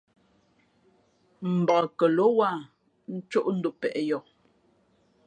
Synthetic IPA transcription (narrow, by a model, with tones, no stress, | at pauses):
m̩˨ba˨kə˨lo˦wa˦˨ | n̩˦t͡ʃo˦ʔn̩˦du˨pɛ̰˨ʔɛ˦jɔ˨